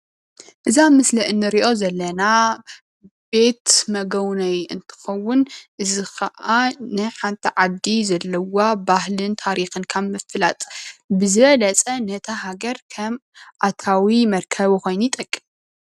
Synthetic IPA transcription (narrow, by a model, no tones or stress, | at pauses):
ʔɨzamɨsliʔɨnːɨɾiʔo̞zɐlːɐna | be̞t̪mɐɡɐwnɐjɨnt̪ʰɨ̥xɐwːʊnʔɨzixɐʔanɨħant̪ʰiʕad̪izɐlːɐwabahlɨnt̪ʰaɾixɨnkʰaβmɨfɨlat̪ʼbɨzɨβɐlɐt͡sʼɐnɐt̪ʰaɦaɡɐɾkʰɐmʔat̪ʰawimɐɾkʰɐβixo̞jnujit̪ʼɐkʼːim